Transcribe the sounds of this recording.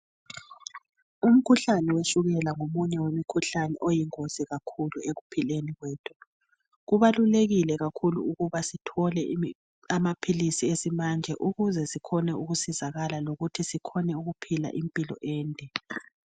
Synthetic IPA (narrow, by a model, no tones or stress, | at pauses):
um̩kʰuɬanɛweʃuɣɛlaŋomuɲɛwemikʰuɬanɛʔojiŋoz̥iɣakʰulueɣupʰileniɣwɛːtʰɔ | ɣuβaluleɣilɛɣakʰulṵuɣuβasitʰɔlɛ | amapʰilisiesimand͡ʒʱɛ̰ʔuɣuzɛsikʰɔnɛuɣusizaɣalaloɣutʰisikʰɔnɛuɣupʰila̰ʔimpʼilɔ̰ʔɛːntʼɛ